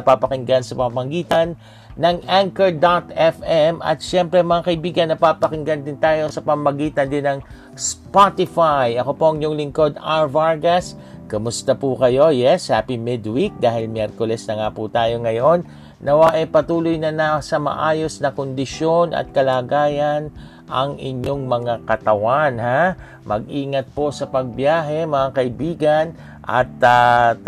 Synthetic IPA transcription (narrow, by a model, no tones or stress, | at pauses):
ɐpapɐkɪŋɡansɐpɐmmɐɡiːt̪ɐnː | ɐŋaŋkɛɹd̪at̪ɛfɛmɐ̰t̪̚ʃɛmpɾɛmɐŋaːkɐʔɪbiːɡɐnːɐpapɐkɪŋɡɐnd̪ɪnt̪aːjo̞sɐpɐmmɐɡiːt̪ɐnd̪ɪnːɐŋ | spat̪ɪfajɐko̞po̞ʔɐŋjʊŋlɪŋko̞d̪aɹvaɹɡɐs | kɐmʊst̪ɐpukɐjo̞jɛsaːpimɪd̪wik̚d̪aːhɪlmjɛɾkolɛsnɐŋaput̪aːjo̞ŋɐjo̞nː | ɐwaʔɛpɐt̪uːlʊjnɐnɐsɐmɐ̰ʔaːjo̞snɐkond̪ɪʃjo̞nʔɐ̰t̪̚kɐlaːɡaːjɐn | ʔɐŋʔɪ̰ɲo̞ŋmɐŋakɐt̪ɐwanha | mɐ̰ɡ̚ʔiːŋɐt̪̚po̞sɐpɐɡ̚bjaːɦɛmɐŋakɐʔibiːɡɐn | ʔɐ̰t̪a